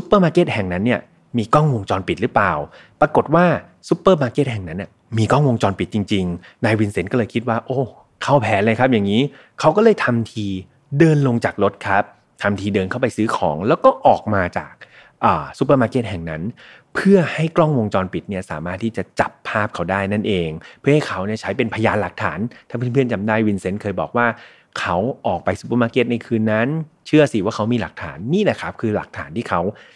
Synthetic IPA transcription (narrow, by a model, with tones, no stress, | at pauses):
su˦˥pːɤː˥˩maː˧ke˦˥t̪̚hɛ˨˩ŋna˦˥nːi˥˩ɐ | miː˧kɔ˥˩ŋwo˧ŋt͡ɕɔː˧npi˨˩t̪̚ɾɯ˦˥plaː˨˩wpɾa˧ko˨˩t̪̚waː˥˩ | su˨˦˥pːɤː˥˩maː˧ke˦˥t̪̚ɦɛ˨˩ŋna˦˥nːi˥˩ | miː˧kɔ˥˩ŋwo˧ŋt͡ɕɔː˧npi˨˩t̪̚t͡ɕi˧ŋt͡ɕi˧ŋnaː˧jwi˧nse˩˦nkɔː˥˩lɤː˧jkʰi˦t̪̚waː˥˩ʔoː˧˥˩ | kʰa˥˩wpʰɛː˨˦lɤː˧jkʰa˦˥p̚ja˨˩ŋːiː˦˥ | kʰa˦˥wkɔː˥˩lɤː˧˩jt̪ʰa˧mt̪ʰiː˧ | dɤː˧nlo˧ŋt͡ɕaː˨˩k̚ɾo˦˥t̪̚kʰa˦˥p̚ | t̪ʰa˧mt̪ʰiː˧dɤː˧nkʰa˥˩wpa˧jsɯː˦˥kʰɔː˩˦ŋlɛː˦˥wkɔː˥˩ʔɔː˨˩k̚maː˧t͡ɕa̰ː˨˩k̚ | ʔəː˨˩su˨˦p̬əː˧maː˦˧˥ke˦˥t̪̚ɦɛ˨˩ŋna˦˥n | pʰɯ˥˩ɐha˥˩jklɔ˥˩ŋwo˧ŋt͡ɕɔː˧npi˨˩t̪̚ni˥ɐsaː˩˦maː˥˩t̪ʰːiː˥˩t͡ɕa˨˩t͡ɕa˨˩pʰːaː˥˩p̚kʰa˦˥wdaː˥˩jna˥˩nʔeː˨˧ŋpʰɯ˥˩ha˥˩jkʰa˦˥wni˥˩ɐt͡ɕʰa˦˥jpe˧npʰa˧jaː˧nla˨˩k̚t̪ʰaː˩˦nt̪ʰaː˥˩pʰɯ˥˩npʰɯ˥˩ənt͡ɕa˧mdaː˥˩jwi˧nse˦˥nkʰɤː˧jbɔː˨˩k̚waː˥˩ | kʰa˦˥wʔɔː˨˩k̚pa˧jsu˧˦p̬əː˧maː˧˥ke˦˥t̪̚na˧jkʰɯː˧nːa˦˥nt͡ɕʰɯ˥˩ɐsi˨˩waː˥˩kʰa˦˥wmiː˧la˨˩k̚t̪ʰaː˩˦nːiː˥˩lɛ˨˩kʰa˦˥p̚kʰɯː˧la˨˩k̚t̪ʰa̰ː˩˦nt̪ʰiː˥˩kʰa˦˥w